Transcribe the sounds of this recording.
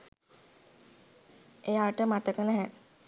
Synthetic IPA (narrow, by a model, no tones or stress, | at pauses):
ejaːʈəmat̪əkənɛɦɛ